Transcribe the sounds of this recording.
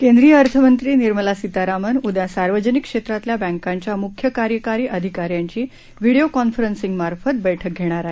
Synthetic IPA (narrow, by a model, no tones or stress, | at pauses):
kẽnd̪ɾijəəɾt̪ʰəmənt̪ɾiːniɾməlasit̪aɾamənud̪jasaɾʋəd͡ʑənikːʂet̪ɾat̪ljabɛ̃ŋkãɲt͡ɕjamukʰjəkaɾjəkaɾiːʔəd̪ʱikaɾjaɲt͡ɕiː | ʋiɽijokɔnfəɾənsiŋɡmaɾfət̪̚bəjʈʰək̚ɡʱeɽ̃aɾaɦe